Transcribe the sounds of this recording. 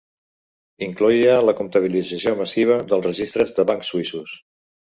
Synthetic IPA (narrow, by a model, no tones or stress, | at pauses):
iŋkluiələkumt̪əβ̞ilid͡zəsioməsiβ̞əðəlˠzrəʒist̪ɾəzðəβaŋksːuisus